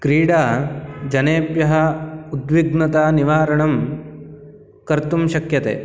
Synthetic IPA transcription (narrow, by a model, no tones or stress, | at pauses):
kɾiːɽaːd͡ʒɐneːpjɐɦɐud̪ʋiɡnɐt̪aːniʋaːɾɐɳɐm | kɐɾt̪umʃɐkjɐt̪ḛː